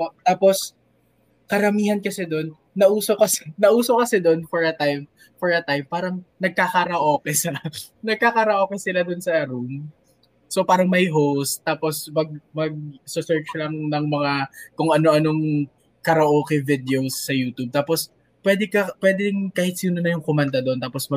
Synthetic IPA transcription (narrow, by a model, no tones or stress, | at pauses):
t̪aːpos | kɐɾɐmiːhɐnkɐsɛd̪o̞nːɐʔuːsokɐsɛnɐʔuːsokɐsɛd̪o̞nfɔɹɐt̪ajm | fɔɹɐt̪ajmpaːɾɐŋnɐɡ̚kakɐɾɐʔoːkɛsɐnɐɡ̚kakɐɾɐʔoːkɛsɪlad̪onsɐɐɾun | sopaːɾɐŋmɐjɦowst̪ːaːposmɐɡ̚mɐɡ̚sʊsɛɹt͡ʃlɐŋnɐŋmɐŋakʊŋʔɐno̞ʔɐno̞ŋ | kɐɾɐʔoːkɛvɪd̪ɛosːɐjuːt̪ub̚t̪aːpos | pwɛːd̪ɛkɐpwɛːd̪ɛɪŋkaːhɪt̪̚sɪunɐnɐjʊŋkomand̪ɐd̪ont̪aːposmɐ